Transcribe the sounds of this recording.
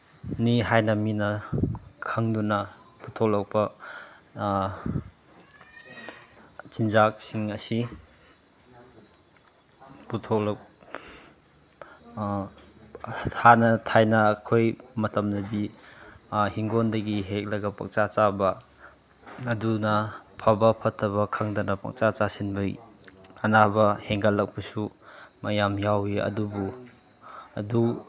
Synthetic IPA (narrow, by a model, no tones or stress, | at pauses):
niɦajnɐminɐ | kʰaŋdunɐputʰolɐk̚pɐ | t͡ʃind͡ʒak̚siŋɐsi | putʰolɐk̚ | anɐtʰajnɐːkʰojmɐtɐmnɐdi | hiŋɡondɐɡiɦek̚lɐɡɐpɐ̰k̚t͡ʃat͡ʃabɐ | dunɐpʰɐbɐpʰɐtʰːɐβɐkʰaŋdɐnɐpɐ̰k̚t͡ʃat͡ʃasinbɯjɐnabɐheŋɡalːɐk̚bɐsumɐjamjawiɐ̰dubu | ɐ̰du